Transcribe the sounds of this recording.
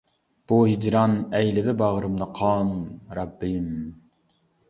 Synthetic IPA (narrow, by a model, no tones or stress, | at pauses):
b̥uhid͡ʒɾɑnɛjlɪb̪ɪbɑʁɾɨmlˠɑqʰɑnɾɑbːim